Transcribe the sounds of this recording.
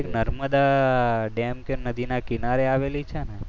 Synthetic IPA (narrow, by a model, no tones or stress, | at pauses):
eknəɾməd̪aɖɛmkemnəd̪inakinaɾeaʋelit͡ʃʰene